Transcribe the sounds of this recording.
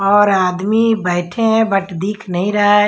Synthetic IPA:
ɔːɾaːd̪mibɛːʈʰẽɦɛ̃bɐʈʰd̪iːkʰnɐɦĩɾɐe

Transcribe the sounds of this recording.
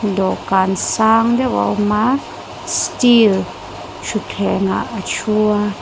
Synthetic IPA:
d̪ɔkansaːŋd̪ɛwa̰wma | stil | t͡ʃʰutʰɛŋa̰ʔət͡ʃʰua

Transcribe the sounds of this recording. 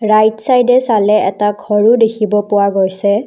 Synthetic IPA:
ɹajtsajdɛsalɛʔɛtaɡʱɔɹudekʰibɔpʊwaɡojsɛ

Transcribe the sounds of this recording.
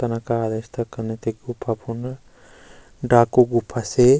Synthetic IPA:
t̪ɐnakaːd̪est̪ʰakɐɾnet̪eɡupʰːapʰun | ɖaːkoɡupʰːase

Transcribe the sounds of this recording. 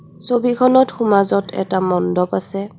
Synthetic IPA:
sobikʰɔnɔtxumazɔtʰɛ̰tamɔndɔpasɛ

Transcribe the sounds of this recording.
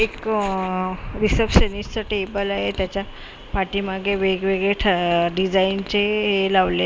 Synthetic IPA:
ek | ɾisəpɕənist͡səʈebəlaɦet̪jat͡ɕja | paʈiːmaɡeʋeɡʋeɡɭeʈʰaɖid͡zaint͡ɕeɦelaʋle

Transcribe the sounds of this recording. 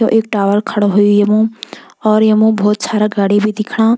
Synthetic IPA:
õ̰ʔeːk̚ʈaːʋəɾkʰəɽoɦʊjujɐmũɔːɾjɐmũbʱɔːt̪saːɾaɡaːɽibʱid̪ɪkʰɽ̃aː

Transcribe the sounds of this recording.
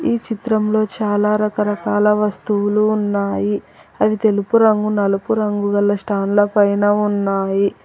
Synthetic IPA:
iːt͡ʃit̪ɾɐmlo̞ːt͡ʃaːlaːɾɐkɐɾɐkaːlɐʋɐst̪uwuluːnːaːji | ɐʋit̪e̞lupuɾɐŋɡunɐlɐpuɾɐŋɡuɡɐlːɐsʈaːnulɐpɐjnɐunːaːji

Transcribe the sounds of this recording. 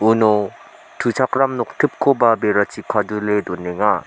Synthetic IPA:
unɔ | tʰut͡ʃʰakɾamnɔk̚tʰɯp̚kʰobabeɾat͡ʃikʰaduledɔneŋa

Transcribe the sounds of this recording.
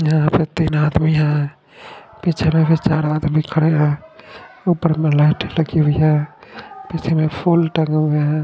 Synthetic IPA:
jɦãpʰeɾt̪inad̪miɦã | pit͡ʃʰemẽpʰet͡ʃaɾad̪mikʰəɽeɦã | upəɾmẽlaɪʈʰləɡiʋijã | pit͡ʃʰemepʰulʈəŋɡmeɦã

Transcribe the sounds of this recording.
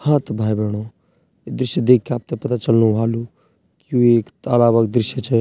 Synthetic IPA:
hãt̪bʱaːjbʱeːɽ̃o | ed̪ɾɪʃjəd̪ekʰːiaːp̚t̪epɐt̪at͡ʃəlnuɦalu | kjuekəlaːbəkd̪ɾɪʃjət͡ʃʰɛ

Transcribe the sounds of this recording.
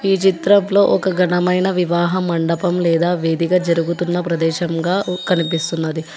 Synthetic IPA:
iːt͡ʃit̪ɾɐmlo̞ːʔɔkɐɡɐnɐmɐjnɐʋiʋaːɦɐmɐɳɖɐpɐmlɛːd̪aːʋeːd̪iɡɐd͡ʒɐɾuɡut̪unːɐpɾɐd̪ɛːʃɐmɡaːkɐnipist̪unːɐd̪i

